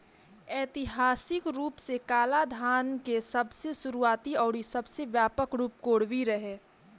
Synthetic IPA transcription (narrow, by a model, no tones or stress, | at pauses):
ɛːt̪ɪɦaːsɪkɾuːpsekaːlad̪ʱaːnkesɐbsesʊɾuaːt̪iɔːɾisɐbseʋjaːpəkɾuːp̚koːɽʋiɾəɦeː